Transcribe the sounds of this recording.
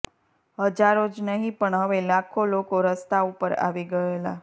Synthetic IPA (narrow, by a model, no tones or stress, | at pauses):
ɦəd͡ʒaɾod͡ʒnəɦĩpəɳɦəʋelakʰolokoɾəst̪ʰaupəɾa̰ʋiɡəela̰